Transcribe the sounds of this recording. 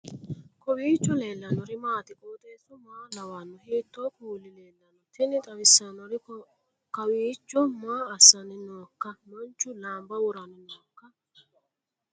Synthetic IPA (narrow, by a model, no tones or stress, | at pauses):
kɔwiːt͡ʃːɔle̞ːlːɐnɔɾɪmaːt̪ɪkʼoːt̪ʼeːsʊmaːlɐwanːɔhiːt̪ːoːkuːlːɪleːlːɐnɔt̪ɪnɪt̪ʼɐwɪsːɐnɔɾɪ | kɐwiːt͡ʃːɔmaːɐsːɐnɪnɔːkːɐmɐnt͡ʃːʊlaːmbɐwʊɾɐnɪnɔːkːɐ